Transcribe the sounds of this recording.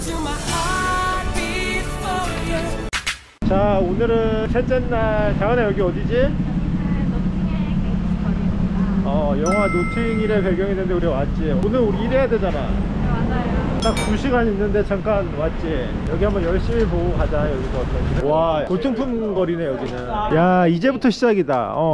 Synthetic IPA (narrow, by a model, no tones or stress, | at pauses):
t͡ɕaonɯɾɯsʰet͡ɕ͈enːat͡ɕaɡɯnejʌɡiʌdid͡ʑi | ʌjʌŋɦwanotʰɯɲiɾe̞peɡjʌŋenɯndeuɾiwat̚t͡ɕ͈ionɯɾuɾiːɾejadwe̞d͡ʑana | tak̚t͡ɕuɕʰiɡaɲinːɯnde̞t͡ɕʰaŋk͈anwat̚t͡ɕ͈i | jʌɡiɦambʌnjʌɭɕ͈imip̬ookad͡ʑajʌɡiɡʌat͈ʰʌuɡinɯakotʰɯŋpʰunɡʌɾinejʌɡinɯnjaid͡ʑe̞butʰʌɕʰid͡ʑaɡida̰ʌ̰